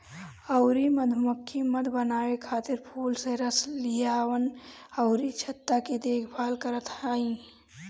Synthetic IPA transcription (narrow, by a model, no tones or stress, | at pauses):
əʊɾiməd̪ʱmukʰːiməd̪ʱbənaːekʰaːt̪ɪɾpʰuːlseɾəslijawənəʊɾit͡ʃʰət̪ːaked̪eːkʰbʱalkəɾət̪aːi